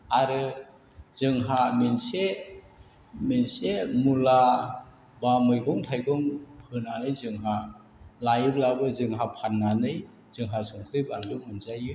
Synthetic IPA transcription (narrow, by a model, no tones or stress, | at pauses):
aɾɯ | z̥ɯŋɦamense | mensemula | bamɯjɡɔŋtʰajɡɔŋpʰɯnanɯjzɯŋɦa | lajɯb̚labɯzɯŋɦapʰanːanɯj | z̥ɯŋɦasɔŋkʰɾɯjbandɯmɯnzajɯ